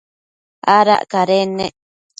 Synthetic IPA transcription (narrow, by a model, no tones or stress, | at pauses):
aɾa̰ʔkaɾene